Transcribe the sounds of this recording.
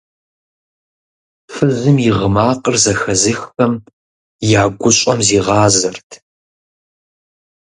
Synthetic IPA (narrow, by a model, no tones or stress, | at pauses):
fɨzɨmjɪʁəmaːqʼərzɐxɐzɨxpɐm | jaːɡʷʊɕʼɐmziːʁɑːzɐrtʰ